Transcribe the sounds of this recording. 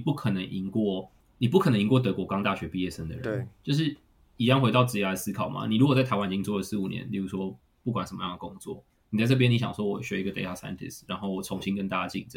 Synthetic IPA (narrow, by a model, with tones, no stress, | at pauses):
pu˥˩kʰə˨˩nə˧˦ŋʔi˧˥ŋkwɔ˥˩ | ni˨˩pu˥˩kʰə˨˩nə˧ŋi˧˥ŋkwɔ˥˩t̪ɤ˧˥kwɔ˧˥kɑ˥ŋt̪a˥˩ɕɥɛ˧˥pi˥˧jɛ˥˩ʂə˦nd̪ə̰˨˩ɻə̰˧˦˧nt͡ɕjo˥˧ʊʂ̬ɻi˥˩ | i˨˩jɑ˥ŋxwe˧ɪt̪ɑ˥˧ʊt͡sɹ̩˥˧t͡ɕja˥d̪ə˨˩sɹ̩˦˥kʰɑ˨˩ʊmʔa̰˨ni˨˩ɻu˧˥kwt͡sa˥˩˧ɪwa˥ni˨˩t͡ɕi˥ŋt͡swɔ˥˩lə˨˩sɹ̩˥˩u˨˩njɛ̰˧˦nli˨˩ɻu˧˥swɔ˦˥ | pu˥˩kwa˨˩nʂə˦mə̰˧jɑ˥˩ŋd̪ə˩kʊ˦˥ŋt͡swɔ̰˥˩ | ni˨t͡sa˥˧ɪʈ͡ʂɤ˥˩jɛ˥ni˧˥ɕjɑ̰˨˩ŋswɔ˥wɔ˨˩ɕɥɛ˧˥i˧˥ɡə˨t̪ḛ˧˥tʰa˥˩sa̰˥ɪnt̪ʰḭ˨˩sɻa˧˦nxo˥˩ʊwɔ˨˩t͡sʰo˧˥ŋɕi˦˥ŋkə˦nt̪a˥˩t͡ɕja˥˧t͡ɕḭ˥˩ŋʈ͡ʂə˨˩